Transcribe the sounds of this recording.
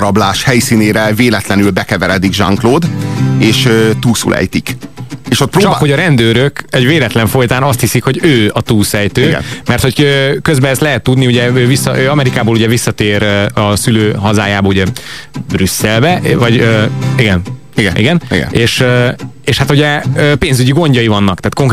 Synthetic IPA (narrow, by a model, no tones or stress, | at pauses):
ɾɒblaːʃhɛjsiːneːɾɛveːlɛt̪lɛnylbɛkɛvɛɾɛd̪iɡʒɒ̰ŋkloːd̪eːʃøt̪uːlsṵlʔɛ̰jt̪ikeːʃot̪̚pɾoːt͡ʃɒkho̞ɟɒɾɛnd̪øːɾøkɛɟveːlɛt̪lɛɱfo̞jt̪aːnɒst̪hisikho̞ɟøːɒt̪uːlsɛjt̪øːɡɛ̰nmɛrt̪hocøːkøzbɛɛst̪lɛɦɛt̪ːud̪niuɟɛøːvisːɒ̰ʔøːɒmɛɾikaːboːluɟɛvisːɒt̪eːɾɒsyløːɦɒzaːjaːbɒuɟɛbrysːɛlbɛʔvɒɟøiɡɛn | iɡɛnḭɡɛnḭɡɛ̰nʔeːʃøeːʃhat̪uɟɛøːpeːnzyɟiɡo̞ɲɟɒjivɒnːɒkt̪aːt̪koŋk